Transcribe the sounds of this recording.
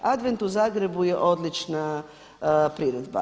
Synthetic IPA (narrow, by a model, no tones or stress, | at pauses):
ad̪ʋent̪uzaːɡɾe̞bujeʔo̞d̪lit͡ʃna | pɾiɾed̪ba̰